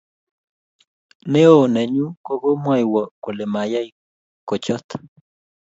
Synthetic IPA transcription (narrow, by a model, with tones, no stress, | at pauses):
ne˦o˨nɛ˨ɲu˦ko˦ɡo˦mwa˦jwɔ˨ko˨le˨ma˨ja˦i˨ | ko˨t͡ʃɔ˦t̪